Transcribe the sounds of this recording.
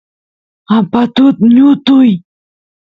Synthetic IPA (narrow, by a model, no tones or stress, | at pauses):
apat̪ʊt̪ɲʊt̪ʊj